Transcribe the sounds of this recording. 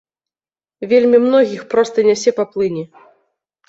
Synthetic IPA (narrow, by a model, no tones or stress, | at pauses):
vʲelʲmʲimnɔɣʲixpɾɔst̪ɐnʲɛsʲɛpɐplˠɨnʲi